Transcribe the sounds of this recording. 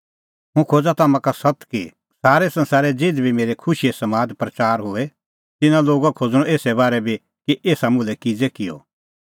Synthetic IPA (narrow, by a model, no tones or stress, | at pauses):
ɦũkʰoːd͡zat̪aːmãkasɐt̪ki | saːɾɛsɐ̃nsaːɾɛd͡zeːd̪bʱimeːɾɛkʰʊʃiesɐmaːd̪pɾɐt͡ʃaːɾɦʊɛ | t̪ɪnãloːɡakʰoːd͡zɽ̃ɔ̃eːsɛbaːɾɛbʱi | kiʔeːsamʊ̃lɛkɪd͡zekɪjɔ̰